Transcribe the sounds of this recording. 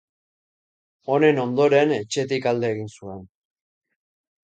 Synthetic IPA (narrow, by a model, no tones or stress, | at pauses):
o̞ne̞no̞nd̪o̞ɾe̞ne̞t͡ʃe̞t̪ikald̪e̞ːɣinsue̞n